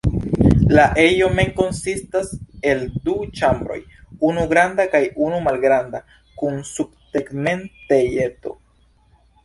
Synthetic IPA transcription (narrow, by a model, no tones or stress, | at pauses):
laʔejo̞me̞ŋko̞nsistase̞ldut͡ʃambɾo̞̰j | unuɡɾandakajunumalɡɾanda | kunsub̚te̞kme̞ntejeto̞̰